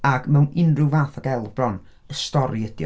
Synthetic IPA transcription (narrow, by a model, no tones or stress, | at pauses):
aɡmɛwnɪnrɪwvaːθɔɡɛlˠbrɔn | əstɔɾiəd̥jɔ